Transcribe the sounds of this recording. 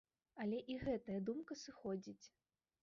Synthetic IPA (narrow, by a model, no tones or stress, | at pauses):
ɐlʲɛʔiɣɛt̪ɐjɐd̪umkɐsɨxɔd͡zʲit͡sʲ